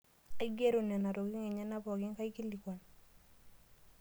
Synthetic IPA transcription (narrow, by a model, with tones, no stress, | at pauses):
e˦ɡe˦ɾu˨nɛ˨na˨ɾo˨ɡi˦ŋe˨ɲɛ˦na˦pɔ˨ɡɪ˦ŋka˦i˦ki˦lːi˨ka˨n